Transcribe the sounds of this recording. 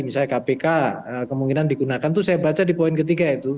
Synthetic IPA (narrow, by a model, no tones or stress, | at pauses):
misaɲakapekaəkəmuŋkinandiɡunakant̪usajabat͡ʃadipoɪnkət̪̬iɡait̪u